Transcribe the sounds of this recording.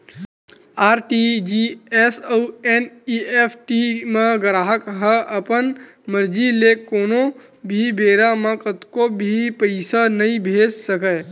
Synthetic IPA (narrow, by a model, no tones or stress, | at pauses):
aɾʈid͡ʒiesəueniepʰʈimeɡəɾaɦəkɦəʔəpən | məɾd͡ʒilekono | bʱibeɾamekət̪kobʱipəɪsanəĩbʱed͡ʒsəkəj